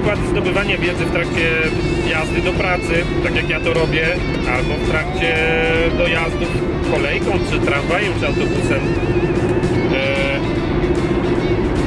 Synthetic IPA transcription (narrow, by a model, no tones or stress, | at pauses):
kwad̪zd̪ɔbɘvaɲavʲjɛd̪zɨft̪ɾak̚t͡ɕɛ | jazd̪ɨd̪ɔpɾat̪sɘt̪akʲjakjat̪ɔɾɔbʲjɛ | ʔalbɔft̪ɾak̚t͡ɕɛ | d̪ɔjazd̪uf | kɔlɛjkɔ̃w̃t͡ʂɘt̪ɾãɱvajɛzand̪ufut̪sɛnt̪u